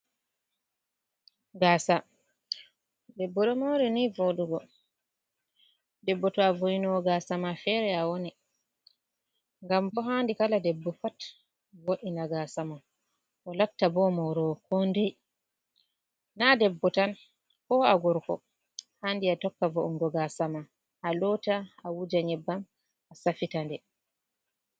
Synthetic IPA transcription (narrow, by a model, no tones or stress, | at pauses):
ɡaːsa | dɛbːɔɗɔmɔɾɛnivoɗuɡɔ | dɛbːɔtɔavojinɔɡaːsamafɛɾɛawoni | ŋɡambɔɦaːndikaladɛbːɔfat | woɗinaɡaːsama | ʔɔlaftːabɔmɔɾɔkʰɔndɛj | nadɛbːɔtan | kɔːaɡɔɾkɔ̰ | haːndiatɔkːavɔʔuŋɡɔɡasama | ʔalɔːtaawud͡ʒaɲɛbːam | ʔasafitandɛ